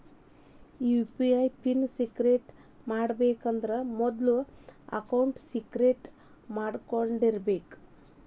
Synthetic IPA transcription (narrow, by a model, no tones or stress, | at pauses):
upiɐjpinsiɡɾeʈ | maːɽɐbeːkɐnd̪ɐɾemɔd̪luɐ̰kɐwuɳʈsiɡɾeʈ | maːɽkoɳɖiɾɐbeːk